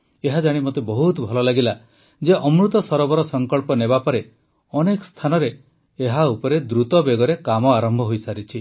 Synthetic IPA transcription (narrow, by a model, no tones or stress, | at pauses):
eɦad͡ʒaɽ̃imot̪ebɔɦut̪ɔbʱɔlɔlaɡila | d͡ʒeʔɔmɾut̪ɔsɔɾɔbɔɾɔsɔŋkɔɭpɔnebapɔɾe | ɔnekɔ̥st̪ʰanɔɾeː | ɦaupɔɾed̪ɾut̪ɔbeɡɔɾekamɔaɾɔmbʱɔɦojsaɾit͡ʃʰi